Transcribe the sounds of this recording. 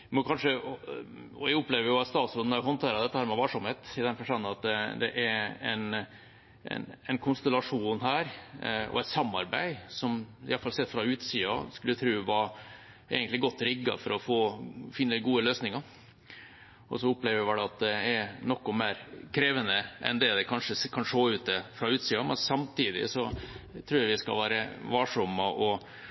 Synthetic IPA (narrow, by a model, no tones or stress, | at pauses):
mɔkʰɑnʂə | ɔɛɡʊpleːʋəɾjʊɑst̪ɑːt̪sʉnnɑhɔnt̪ʰeːɾɑd̪ɛt̪ːəhæːɾmɛʋɑʂʊmheːt̪ɪd̪ɛnfɔʂʈɑnːnɑt̪̚d̪ɛd̪ɛ̰ʔɛɾɛn | ɛ̰nɛɪnkʰʊnst̪ɛlɑʂuːnɦæːɾɔ̰ɛt̪sɑmːɑɾbæɪsɔmɪ̰ɑləfɑlsɛt̪ːfɾɑʉːt̪siːɑ̰skʉlːət̪ʰɾʉːʋɑ | ḛɡənt̪lɪɡɔt̪ːɾɪɡːɑ̰fɔɾɔfoːfɪnːəɡuːəløːsnɪŋɑɾ | ɔ̰sɔʊpleːʋʋɛɑt̪̚d̪ɛɛɾnɔkːʊmeːɾkʰɾeːʋənəʔɛ̰nd̪ɛd̪ɛkʰɑnʂəkʰɑnʂoːʉːt̪̚d̪ɛfɾɑʉːt̪siːɑmɛnsɑmt̪ʰiːd̪ɪ̰sɔt̪ʰɾʉːjɑʋɪskɑ̰ʋæːɾəʋɑʂɔməʔɔ